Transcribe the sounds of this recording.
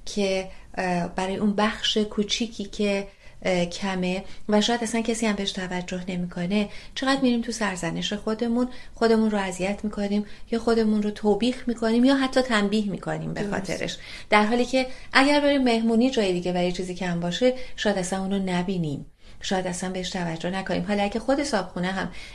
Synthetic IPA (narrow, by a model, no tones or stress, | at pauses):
cʰe̞ | bæɾɒːjeunbæxʃe̞kʰuːt͡ʃʰiːcʰiːcʰe̞ | cʰæme̞væʃɔːjæd̪æsæncʰesiːhæmbeeʃt̪ʰævæd͡ʒːo̞ɦne̞mikʰo̞ne̞t͡ʃʰe̞ɣæd̪miɾiːmt̪ʰusæɾzæne̞ʃe̞xod̪e̞munxo̞d̪e̞muːnroæzijæt̪ʰmiːkʰo̞niːmjɒːxo̞d̪e̞munrot̪ʰoːbiːxmiːkʰo̞niːmjɒːɦæt̪ʰːɒːt̪ʰæmbiːhmḭkʰo̞nḭːmbexɒ̰ːt̪ʰḛɾḛʃ | d̪̥æɾɦɒːliːcʰe̞ʔæɟæɾbe̞ɾiːmːe̞hmuːniːd͡ʒɒːjed̪iɟe̞bæɾit͡ʃʰiːziːcʰæmbɒːʃe̞ʃɒːjæd̪æsænuːnonæbiːniːm | ʃɒːjæd̪æsænbe̞heʃt̪ʰævæd͡ʒːo̞hnækonḭːmɦɒːlɒæɟæxo̞d̪e̞sɒːb̥xuneɦæm